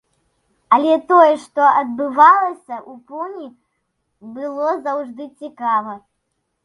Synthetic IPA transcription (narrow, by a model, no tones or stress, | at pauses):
ɐlʲɛt̪ɔjɛʂt̪ɔʔɐd̪̚bɨvalˠɐsʲɐʔupɔnʲi | bɨlˠɔzɐwʐd̪ɨt͡sʲikavɐ